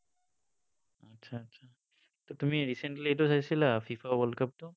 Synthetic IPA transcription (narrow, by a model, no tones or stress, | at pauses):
ɐtːʃʰaɐtːʃʰa | t̪ot̪ʊmẽɾiːsẽɳʈlieʈosɐselafiːfaʋəlkɐp̚t̪o